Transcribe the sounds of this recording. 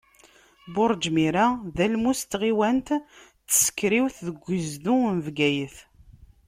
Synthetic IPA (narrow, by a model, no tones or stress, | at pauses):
bʊɾˤd͡ʒmiɾaðælmust̪ʁiwænt̪ | θːə̥sə̥kːɾiwθðəɡʷːizd̪unvɡæjəθ